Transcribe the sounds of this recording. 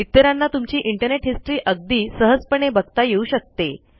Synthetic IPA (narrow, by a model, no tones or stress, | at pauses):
it̪ːəɾanːat̪umt͡ɕiːʔiɳʈəɾneʈɦisʈɾiːʔəɡ̚d̪iːsəɦəd͡zpəɳ̃ebəɡt̪ajeuːɕək̚t̪e